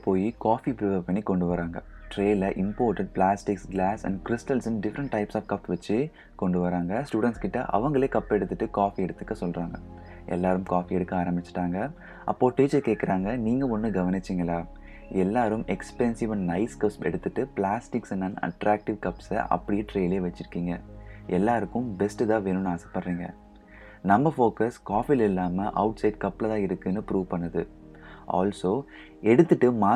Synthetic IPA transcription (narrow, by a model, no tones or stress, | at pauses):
poːjikaːfipɪɾɪʋɐpɐɳːikɔɳɖɯʋɐɾaːŋɡɐʈɾeːlɐʔɪmpoːɾʈɐɖ̚plaːsʈɪksɡlaːsɐ̰̃ɳɖkɾɪsʈɐlɪsɐmɖɪfɐɾɐɳʈʈɐɪpsaːfkɐpːʋɐt͡ʃːɯ | kɔɳɖɯʋɐɾaːŋɡɐsʈuːɽɐnʈskɪʈːɐ̰ʔɐ̰ʋɐŋɡɐɭeːkɐpːɛɽɯt̪ːɯʈːɯkaːfiɛɽɯt̪ːɯkːɐsɔlraːŋɡɐ | ʔɛ̰lːaːɾɯmkaːfiɛɽɯkːɯaːɾɐmbɪt͡ʃːɪ̥ʈːaːŋɡɐ | ʔɐ̰pːoːʈiːd͡ʒɐkeːkːɪɾaːŋɡɐniːŋɡɐɔnːɯɡɐʋɐnɪt͡ʃːiŋɡɐlaː | ɛlːaːɾɯmɛkspɛnsɪʋɐnnɐɪskɐsɛ̰ɽɯt̪ːɯʈːɯplaːsʈɪksɛnːɐnɐ̰ʈɾaːk̚ʈɪʋkɐpsɐ̰ʔɐ̰pːɐɽɪjeːʈɾeːɪleːʋɐt͡ʃːɪɾɯkːiːŋɡɐʔɛlːaːɾɯkːɯmbɛsʈɯt̪ãːʋeːnɯnaːsɛ̥pːɐɽɾiːŋɡɐ̰ | nɐmːɐfoːkɐskaːfilɐɪlːaːmɐʔɐʊʈsɐɪɖkɐpːlɐðãːɪɾɯkːɯnːɯpɾuːʋpɐɳːɐðɯ | ʔa̰ːlsoː | ɛɽɯt̪ːɯʈːɯmaː